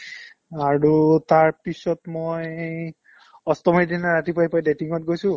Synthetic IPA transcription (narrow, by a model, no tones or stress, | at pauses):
aɹutaɹpisɔtmoj | ɔstɔmɔdinaɹatipajpajdetiŋɔtɡojsʊ̃